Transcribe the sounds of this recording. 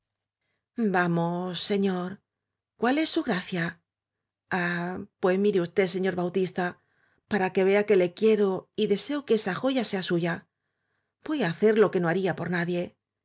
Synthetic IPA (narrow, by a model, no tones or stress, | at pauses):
bamo̞sːe̞ɲo̞ɾ | kwale̞sːuɣɾaθja | apwemiɾeust̪e̞se̞ɲo̞ɾβawt̪ist̪a | paɾake̞βe̞ake̞le̞kje̞ɾo̞iðe̞se̞okeesaxo̞ʝase̞asuʝa | bo̞jaːθe̞ɾlo̞ke̞no̞aɾiapo̞ɾnaðje̞